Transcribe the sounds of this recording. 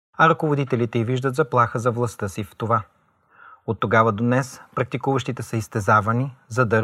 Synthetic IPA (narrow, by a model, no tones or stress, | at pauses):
ɐɾɐkovod̪it̪ɛlit̪ɛiviʒd̪ət̪zɐplˠaxəzɐvlˠɐst̪əsift̪ova | ot̪ːoɡavɐd̪onɛspɾɐk̚t̪ikuvəʃt̪it̪ɛsəist̪ɛzavɐnizɐd̪ɐ